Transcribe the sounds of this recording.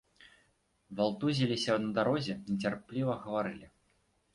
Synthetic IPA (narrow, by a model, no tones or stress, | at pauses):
valˠt̪uzʲilʲisʲɐnɐd̪aɾɔzʲɛnʲɛt͡sʲarplʲivɐɣɐvaɾɨlʲi